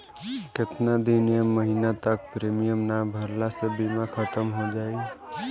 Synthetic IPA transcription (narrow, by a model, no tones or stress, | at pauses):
ket̪nad̪ineməɦinat̪ək̚pɾemijəmnabʱəɾlasəbʱimakʰət̪əmɦod͡ʒai